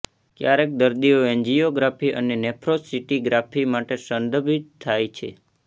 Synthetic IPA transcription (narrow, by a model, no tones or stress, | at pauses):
kjaɾek̚d̪əɾd̪ioeɲd͡ʒijoɡɾapʰiʔə̰nenepʰɾosiʈiɡɾapʰimaʈesənd̪əbʱit̪t̪ʰːajt͡ʃʰḛ